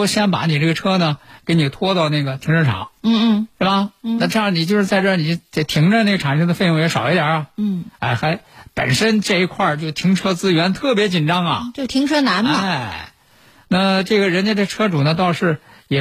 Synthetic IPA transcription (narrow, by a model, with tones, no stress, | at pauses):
ɕjɛ˥npa̰˧˥ni˨˩ʈ͡ʂe˥˩ɡə˩ʈ͡ʂʰɤ˥nə˨ke˧˥ɪni˨˩t̪ʰwɔ˥t̪ɑ˥˧ʊna˥˩ɡə˩t̪ʰi˧˥ŋʈ͡ʂə˥˩nʈ͡ʂʰɑ̰˨˧˥ŋ̩˥˧˥ʂ̩˥˩bɐ˩na˥˧ʈ͡ʂjɑ˥˩ni˨˩t͡ɕjo˥˧ʂɻ̩˥˧t͡sa˥˧ɪʈ͡ʂɤ˥˩ni˨˩˥t̪ʰi˧˥ŋʈ͡ʂə˧ne˥˩ɡəʈ͡ʂʰa˨˩ŋʂʰɤ˥ŋd̪ə˧fe˥˧ɪjʊ˥˩ŋjɛ˧˥ʂɑ˨˩ʊi˥t̪ja̰˨˩˦ɐ˧˥˩a̰˥˩ɪxa˧˥ɪpə̰˨˩nʂə˥nʈ͡ʂɤ˥˩i˧˥kʰwa˥˧t͡ɕjo˥˧ʊt̪ʰi˧˥ŋʈ͡ʂʰɤ˥t͡sɹ̩˥ɥɛ˧˥nt̪ʰɤ˥˩p̬jɛ˧˥t͡ɕi˨˩nʈ͡ʂɑ˥ŋɐ̰˨t͡ɕjo˥˧t̪ʰi˧˥ŋʈ͡ʂʰɤ˥na˧˥nɐ˧˥˩ɪ | na˥˩ʈ͡ʂɤ˥˩ɡə˩ɻə˧˥nt͡ɕjɛ˥e˥˩˧ʈ͡ʂʰɤ˥ʈ͡ʂu˨˩nə˦t̪ɑ˥˧ʊʂɻ̩˥˩jɛ˨˩